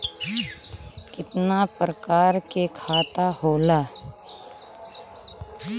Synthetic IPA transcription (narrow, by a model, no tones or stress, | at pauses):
kɪt̪napɾəkaːɾkekʰaːt̪ahoːlaː